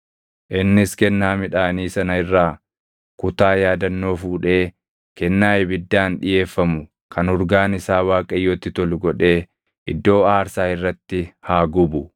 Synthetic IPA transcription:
ʔɪnːɪskɛnːaːmɪᶑaːniːsɐnɐɪrːaː | kʊt̪aːjaːd̪ɐnːo̞ːfuːᶑe̞ː | kɛnːaːʔɛbɪd̪ːaːnᶑɪje̞ːfːɐmʊ | kʰɐnhʊɾɡaːnɪsaːwaːkʼɐjːoːt̪ːɪt̪ɔlʊɡɔᶑe̞ː | ʔɪd̪ːo̞ːaːɾsaːɪrːɐt̪ːɪhaːɡʊbʊ

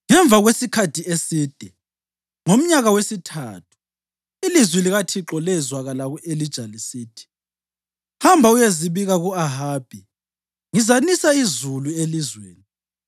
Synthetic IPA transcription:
ŋɛɱb̪vʱaɣwesikʰatʰiesiːd̥ʱɛ | ŋom̩ɲaɣawesitʰa̰ːt̚ʰu̥ | ilizwiliɣatʰiǁɔlɛzwaɣalaɣuʔelid̥ʒ̥ʱalisiːtʰi̥ | hambʱaujeziβiɣaɣuaɦaːb̥ʱi | ŋizanisaizuluelizwḛːni

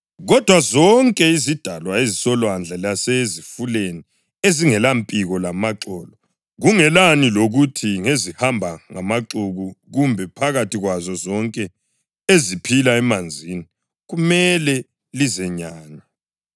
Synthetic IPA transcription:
ɣɔd̥ʱwazɔŋkʼɛizid̥ʱalwaezisɔlwand͡ɮʱalasɛzifuleni | eziŋɛlampʼiɣɔlamaǁɔːlɔ | ɣuŋɛlaniloɣutʰiŋezihambʱaŋamaǁuɣuɣumbʱɛpʰaɣatʰiɣwazɔzɔŋkʼɛ | ezipʰilaɛmand͡zʱini | ɣumɛlɛ | lizɛɲaːna

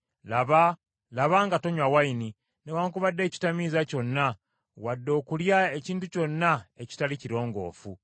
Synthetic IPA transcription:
laβa | laβaːŋɡato̞ɲwawaini | newaːŋkuβadːe̞ːci̥tamiːzaco̞nːa | wadːo̞ːkuljae̞ciːntuco̞nːae̞ci̥taliciɾo̞ːŋɡo̞̰ːfu

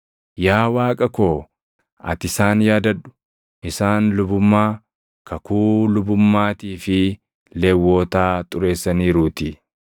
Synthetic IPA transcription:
jaːwaːkʼɐko̞ː | ʔɐ̰t̪ɪsaːnjaːd̪ɐᶑʊ̥ | ʔɪsaːnlʊbʊmːaː | kʰɐkuːlʊbʊmːaːt̪iːfɪ | lɛːwːo̞ːt̪aːt̪ʼʊɾe̞ːsːɐniːɾuːt̪ɪ

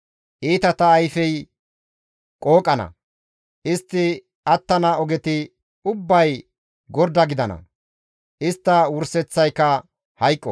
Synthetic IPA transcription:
ʔiːt̪ɐt̪ɐːjfɛj | kʼoːkʼːɐnɐ̰ | ʔɪst̪ːɪ | ʔɐt̪ːɐnɐɔɡɛt̪ɪ | ʊbːɐj | ɡɔɾd̪ɐɡɪd̪ɐnɐ̰ | ʔɪst̪ːɐwʊɾsɛt͡sːɐjkːɐ | hɐjkʼːɔ

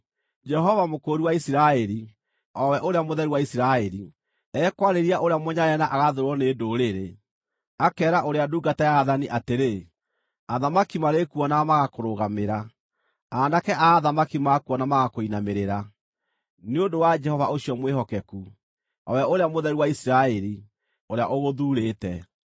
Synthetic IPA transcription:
d͡ʒɛɦɔvamokoːɾiwaisiɾaɛɾi | ɔwɛʔoɾeamoðɛɾiwaisiɾaɛɾi | ɛːkwaɾeɾiaʔoɾeamoɲaɾɛnaʔaɣaðoɾwɔneːdoɾeɾe | akɛːɾaʔoɾeaduːɡatajaːðaniʔateɾe | aðamakimaɾekuɔnamaɣakoɾoɣameɾa | anakɛaðamakimakuɔnamaɣakoinameɾeɾa | neondowad͡ʒɛhɔvaʔoʃiɔmweɦɔkɛku | ɔ̰wɛʔoɾeamoðɛɾiwaisiɾaɛɾi | oɾeaʔoɣoðuːɾeːtɛ

